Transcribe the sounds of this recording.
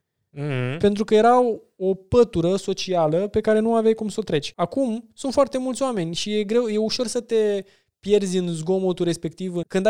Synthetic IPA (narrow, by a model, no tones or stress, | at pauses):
h̩pe̞nt̪ɾukəje̞ɾa | o̞pət̪uɾəso̞t͡ʃialəpe̞kaɾe̞nuavajkumsot̪ɾe̞t͡ʃʲakumsunt̪foart̪e̞mult̪sʲoame̞nʲʃije̞ɡɾe̞wje̞uʃo̞rsət̪e̞ | pje̞rd̪zʲɨnzɡo̞mot̪uɾe̞spe̞k̚t̪ivɨkɨnd̪a